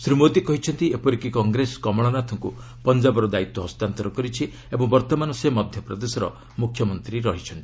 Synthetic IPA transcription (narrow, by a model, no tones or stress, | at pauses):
sɾimod̪ikɔɦit͡ʃʰɔnt̪iepɔɾikikɔŋɡɾeskɔmɔɽ̃ɔnat̪ʰɔŋku | pɔnd͡ʒabɔɾɔd̪ait̪wɔɦɔst̪ant̪ɔɾɔkɔɾit͡ʃʰi | ebɔŋbɔɾt̪ɔmanɔsemɔd̪ʱjɔpɾɔd̪esɔɾɔ̰ | mukʰjɔmɔnt̪ɾiɾɔɦit͡ʃʰɔnt̪ii̥